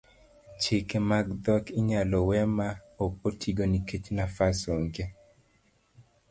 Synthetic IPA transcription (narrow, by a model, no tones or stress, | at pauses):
t͡ʃɪkemaɡd̪ɔkɪɲalɔwɛmaokotʰiɡoniket͡ʃnafasoŋɡe